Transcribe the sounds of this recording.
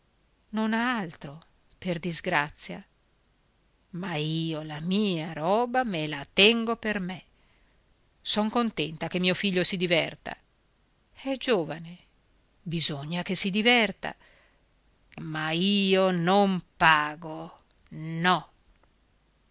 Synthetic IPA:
nonaalt̪ɾo | perd̪izɡɾat̪sːja̰ | maiːolamiːaɾɔːbamelat̪ɛŋɡoperme | sɔŋkont̪ɛnt̪akemːiːofiʎːosid̪ivɛrt̪a̰ | ɛd͡ʒoːvane | bizoɲːak̟esid̪ivɛrt̪a̰ | maiːonompaːɡo | nɔ

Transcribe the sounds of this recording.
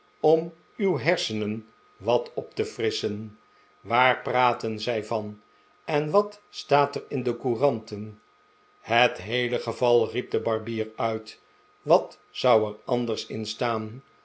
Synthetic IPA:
ɔm | ywɦɛɹsənən | ʋɑtʰɔptəfrɪsən | ʋaːrpraːtənzɛjvɑn | ʔɛnʋɑtstaːtərɪndəkurɑntən | hətɦejləχəvɑlˠrip̚dəbɑɹbiːɹœɥt | ʋɑt | sʌwɛrɑndəɹsɪ̰nstaːn

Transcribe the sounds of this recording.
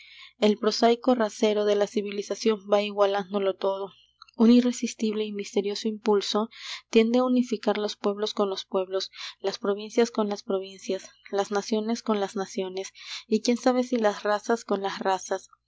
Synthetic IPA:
e̞lpɾo̞sajko̞rase̞ɾo̞ðe̞lasiβilisasjo̞mbaiɣwaland̪o̞lo̞t̪o̞ð̞o̞ | unire̞sist̪iβle̞imist̪e̞ɾjo̞so̞impulso̞t̪je̞nd̪eaunifikaɾlo̞spwe̞β̞lo̞sko̞nlo̞spwe̞βlo̞slaspɾo̞βinsjasko̞nlaspɾo̞β̞insjaslaznasjo̞ne̞sko̞nlaznasjo̞ne̞sikje̞nsaβ̞e̞silasrasasko̞nlasrasas

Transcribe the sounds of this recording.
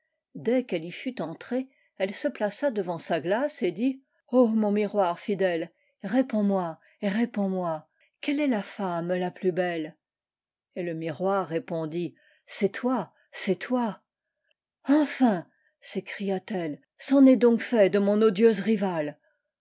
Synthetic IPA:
d̪ɛkɛlifyt̪ɑ̃t̪χe | ɛlsəplasad̪əvɑ̃saɡlased̪i | omɔ̃miʁwaʁfid̪ɛl | ʁepɔ̃mwa | eʁepɔ̃mwa | kɛlɛlafamlaplybɛl | eləmiʁwaʁːepɔ̃d̪i | sɛt̪wa | sɛt̪wa | ɑ̃fɛ̃ | sekχijat̪ɛl | sɑ̃nɛd̪ɔ̃kfɛd̪əmɔ̃nod̪jøzʁival

